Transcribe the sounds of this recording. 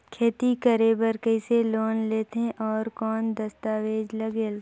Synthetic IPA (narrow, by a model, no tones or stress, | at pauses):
kʰeːt̪ikəɾeːbəɾkəɪseloːnleːt̪ẽʔɔːɾkɔːnd̪əst̪aːʋeːd͡ʒləɡeːl